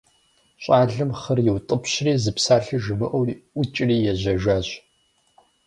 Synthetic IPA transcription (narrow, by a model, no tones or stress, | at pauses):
ɕʼaːɮɨmχɐrjɪwtʼəpɕriːzɨpsaːɬɨʒɨmɨʔʷɐwʔʷʊt͡ʃʼriːjɛʑɐʒaːɕ